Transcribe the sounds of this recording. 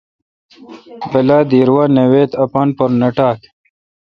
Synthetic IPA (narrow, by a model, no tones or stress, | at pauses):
belad̪iɾwanewet̪ɐpanpoɾnɐʈaːk